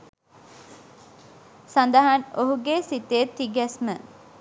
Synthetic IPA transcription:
sand̪əɦanoɦuɡesit̪et̪ːiɡɛsmə

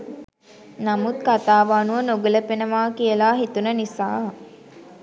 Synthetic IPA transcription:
namut̪̚kat̪aːʋaːnuʋənoɡələpenəʋaːkiəlaːɦit̪unənisa̰ː

